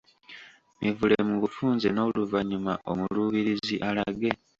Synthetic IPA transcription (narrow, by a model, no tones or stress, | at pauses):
mʔivulemuβufuːnzeno̞luvaɲumaʔo̞muluβiɾiziʔalaɡe̞